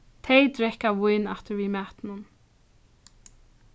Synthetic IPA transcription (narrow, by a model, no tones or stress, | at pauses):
t̪ʰejt̪ɾɛhkːavʊjnaft̪ɪɾvimɛːht̪nʊn